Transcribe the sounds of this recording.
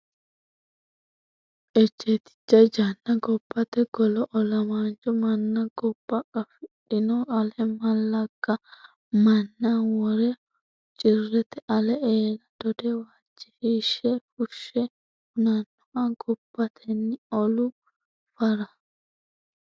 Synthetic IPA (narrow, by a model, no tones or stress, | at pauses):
ʔɛd͡ʒːeːt̪ɪ̥t͡ʃːɐjd͡ʒɐnːɐɡɔbːɐt̪ɛɡɔlɔʔɔlɐmaːnt͡ʃʼɔmɐnːɐɡɔbːɐkʼɐfɪɗɪnɔʔɐlɛmɐlːɐɡ̥ːɐ | mɐnːɐwɔɾɛ | t͡ʃʼɪrːɛt̪ɛʔɐlɛʔeːlɐd̪̥ɔd̪ɛwaːt͡ʃːɛ̥hiːʃːɛfʊʃːɛ | hʊnɐnːʊʔɐɡɔbːɐt̪ʰɛnːɪɔlʊ | fɐɾɐ